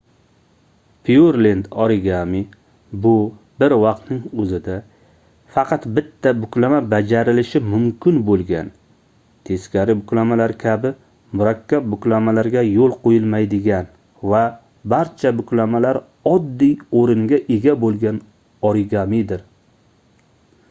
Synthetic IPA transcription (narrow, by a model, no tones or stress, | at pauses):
pʰiuɾlend̪ɒɾɪɡʲami | bʊ | bɪɾvɑq̚t̪nɪŋɵzɪd̪a | fɑqʰɑt̪bɪt̪ʰːabʊkʲlamabad͡ʒaɾɪlɪʃɪmʊmkʲʰɪnbolˠɡʲan | t̪ʰe̞skʲaɾɪbʊkʲlamalaɾkʲʰabɪ | mʊɾakʲʰːap̚bʊkʲlamalaɾɡʲajolˠqʰojɪlmajd̪ɪɡʲan | va | baɾt͡ʃʰabʊkʲlamalaɾ | ɒd̪ːijoɾɪŋɡʲaʔeɡʲabolˠɡʲan | ɒɾɪɡamid̪ɪɾ